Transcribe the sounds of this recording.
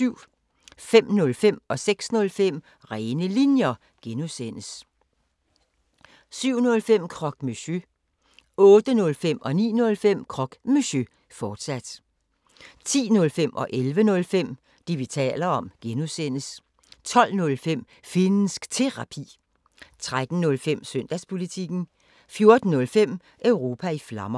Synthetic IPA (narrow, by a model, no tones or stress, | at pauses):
syʊ̰ | fem̰nɔ̽lfem̰ɒ̽seɡ̥snɔ̽lfem̰ | ʁɛːɪnəlinjɐ | ɡ̥enusen̰əs | syʊ̰nɔ̽lfem̰kʰʁɒ̽ɡ̥myɕø | ɔ̽ːd̥ənɔ̽lfem̰ʔɒ̽nḭːnɔ̽lfem̰kʰʁɒ̽ɡ̥myɕø | fɒːd̥sæd̥ | t͡sʰḭːnɔ̽lfem̰ʔɒ̽ʔelʋənɔ̽lfem̰ | d̥iʋit͡sʰɛ̰ːlɐɒ̽mɡ̥enuðˠsen̰əs | t͡sʰɒ̽l̰nɔ̽lfem̰ | fe̝nəsɡ̥t͡sʰe̝ʁɑpʰḭː | t͡sʰʁad̥n̩nɔ̽lfem̰søn̰d̥æspʰo̝lit͡sʰiɡ̥n̩ | fjo̝ɐd̥n̩ːɔ̽lfem̰ | ʔøʊʁo̝ːpʰæiflɑ̈mɐ